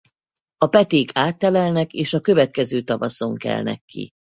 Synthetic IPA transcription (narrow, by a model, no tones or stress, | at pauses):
ɒpɛt̪eːkʰaːt̪ːɛlɛlnɛkeːʃɒkø̞vɛt̪̚kɛzøːt̪ɒvɒso̞ŋkɛ̰lnɛ̰kːḭ